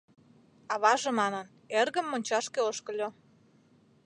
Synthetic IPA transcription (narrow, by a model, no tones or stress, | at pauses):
ɑβɑʒemɑnə̆n | erɣə̆mːonʲt͡ɕɑʃkeoʃkə̆lʲo